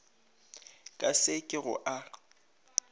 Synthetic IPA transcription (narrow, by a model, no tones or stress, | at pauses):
kʼasɪkʼɪɣʊ̰ʔa